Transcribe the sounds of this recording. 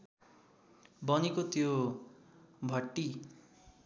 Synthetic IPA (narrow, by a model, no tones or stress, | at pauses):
bʌnikot̪jo | bʱʌʈːi